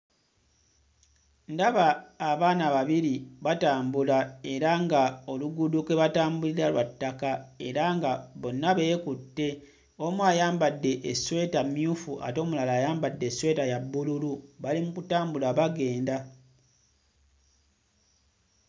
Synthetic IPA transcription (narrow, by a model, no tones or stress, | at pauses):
ndaβaːβaːnaβaβiɾiβataːmbulae̞ɾaŋɡao̞luɡudukwe̞βataːmbuliɾalwatːakae̞ɾaŋɡaβo̞nːaβe̞ːkutːe̞ | o̞mwajaːmbadːe̞ʔeswe̞ːtamjuːfuʔa̰to̞ːmulalaːjaːmbadːe̞swe̞ːtajabːululuβalimukutaːmbulaβaɡe̞ːnda